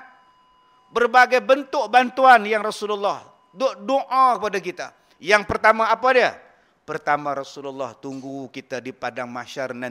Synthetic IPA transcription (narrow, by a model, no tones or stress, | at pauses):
bərbaɡajbənt̪ʊk̚bant̪uanjaŋrɔsululːɔh | doʔdoʔakəpadakit̪a | jaŋpərt̪amaːpadia | pərt̪amaɾɔsululːɔht̪uŋɡukit̪adipadaŋmaʃarna